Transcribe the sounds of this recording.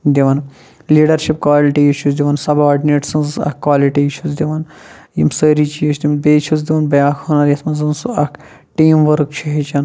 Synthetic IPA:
d̪iʋɐn | liːɖɐɾʃipkʋaːliʈiiʃʰuzd̪iʋɐnsɐbaːɖineːʈsɐnzɐ̰kkːʋaːliʈiit͡ʃʰuzd̪iʋɐn | jḭmsəːɾit͡ʃijit͡ʃʰʲd̪ʲimnbeːt͡ʃʰuzd̪iʋɐnbɐjaːkʰhɐnɐɾjɐsmɐzɐnsuɐkʰ | ʈiːmʋəɾk̚t͡ʃʰiɦit͡ʃɐn

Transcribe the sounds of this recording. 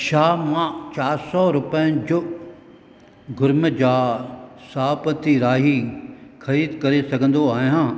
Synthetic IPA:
ʃaːmãt͡ɕaːɾsɔɾʊpəə̃d͡ʑʊ | ɡʊɾməd͡ʑaːsaːpət̪iɾaːɦixɐɾiːd̪kɐɾesɐɡʱə̃n̆d̪oaːɦijãː

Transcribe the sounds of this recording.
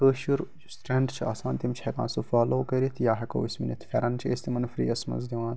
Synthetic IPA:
kəːʃuɾ | sʈɾeɳɖt͡ʃʰiaːsãːnt̪imt͡ʃʰhɛkã̰ːnsufaːloːkɐɾit̪ʰjaːɦɐkɐ̰wisminɐt̪ʰfʲɛɾɐnt͡ʃʰḛst̪imɐnfɾḭːɐsmɐ̰nzd̪iʋãːn

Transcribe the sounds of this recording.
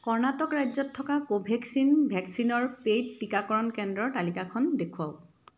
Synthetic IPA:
kɔɹnatɔkɹajzɔtʰːɔkakobʱɛksinbʱɛksinɔɹpejdːikakɔɹɔnkɛndɹɔɹtalikakʰɔndekʰuaʊ

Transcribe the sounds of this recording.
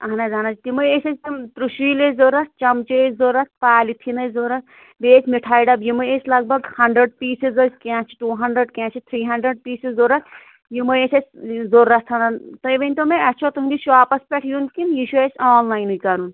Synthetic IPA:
ɐɦɐnɐzanat͡ʃt̪imɨesɐt͡ʃʰt̪imt̪ɾuʃʋiːlezoɾɐs̚t͡ʃɐmt͡ʃezoɾɐt̪̚ʰpaːlit̪ʰinɐzoɾɐt̪ | beːt͡ʃʰʲmiʈʰaːjɖɐbjimɨesʲlɐɡ̚bɐɡhɐɳɖɾeɖ̚piːsizɐskãːt͡ʃʰi̥ʈuːɦɐɳɖɾeɖkãːt͡ʃʰit̪ʰɾiːɦɐɳɖɾeɖ̚piːsezoɾɐt̪̚ʰ | jimɨesɐt͡ʃʰzoɾɐst̪ʰɐnɐnt̪ɐjʋɐnʲt̪omeɐt͡ʃʰot̪ɦund̪iʃaːpɐspʲɛʈʰjunkinjiʃʰuesʲaːnlaːjnɨkɐɾun

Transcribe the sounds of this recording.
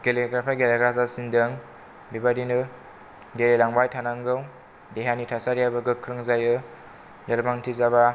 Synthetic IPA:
ɡeleɡɾapʰajɡeleɡɾazasindɯŋ | bibadinɯ | delelaŋbajtʰanaŋɡɯw | deɦanitʰasaɾjabɯɡɯkʰːɾɯŋzajɯ | lelmaŋtʰizaba

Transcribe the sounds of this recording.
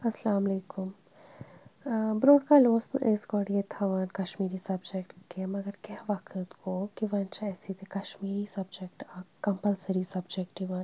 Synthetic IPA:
ɐslaːmleːkum | bɾoːɖkaːloːsnʔesɡoɽijet̪ʰaʋaːnkɐʃmiːɾisɐbd͡ʒekʈkemɐɡɐɾkɛɦʋɐkʰət̪koːkiʋɐnt͡ʃʰɛːsit̪ʰekɐʃmiːɾisɐbd͡ʒek̚ʈakɐmpɐlsɐɾisɐbd͡ʒekʈiʋɐːn

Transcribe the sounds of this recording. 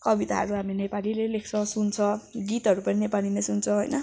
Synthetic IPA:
kʌbit̪a̰ɦʌ̰ɾuɦamenepalilelekʰt͡sʰʌ̃sunt͡sʰʌɡit̪ɦʌɾupʌninepalinesunt͡sʰʌ̃ɦojnʌ

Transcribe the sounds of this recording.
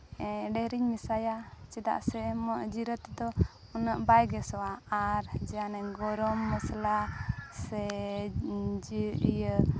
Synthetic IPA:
ɛɖɛhɾiɲmisajat͡ʃɛd̪a̰ʔsɛmɔʔd͡ʒiɾət̪d̪ɔ | ɔnəʔbajɡɛsɔwaːɾd͡ʒɛanaɲɡɔɾɔmːəslasɛ | d͡ʒijə

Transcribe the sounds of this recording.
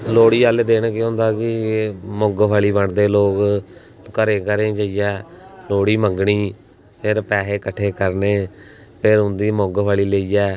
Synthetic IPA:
loːɽiːaːleːd̪eːnːkɪõːnd̪aːkɪmoɡpʰaːliːbəɳd̪eːloːk | kəɾeːkəɾẽːt͡ʃəijɛːloːɽiːməŋɡɳiː | pʰɪɾpɛːɦeːkəʈʰeːkəɾneː | pʰɪɾɦʊ̃nd̪iːmoɡpʰaːɭiːleːijɛː

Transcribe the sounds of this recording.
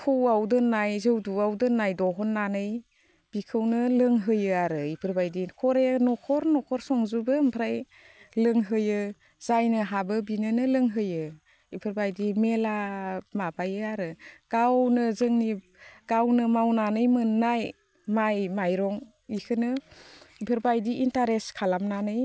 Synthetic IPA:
kʰɯwawdɯnːajzɯwduawdɯnːajdɔɦɔnːanɯj | b̥ikʰɯwnɯlɯŋɦɯjɯaɾɯipʰɯɾbajdikʰɔɾenɔkʰɔɾnɔkʰɔɾsɔŋzubɯmpʰɾaj | lɯŋɦɯjɯ | zajnɯɦabɯbinɯnɯlɯŋɦɯjɯ | ipʰɯɾbajdimelamabajɯaɾɯɡ̥awnɯzɯŋni | ɡ̥awnɯmawnanɯjmɯnːaj | majmajɾɔŋ | ikʰɯnɯipʰɯɾbajdiintaɾeskʰalamnanɯj

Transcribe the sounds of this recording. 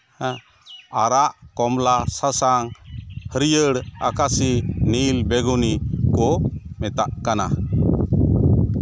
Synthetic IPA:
aɾaʔkɔmlasasaŋhəɾijəɽa̰kasinilbɛɡunikɔmɛt̪aʔkana̰

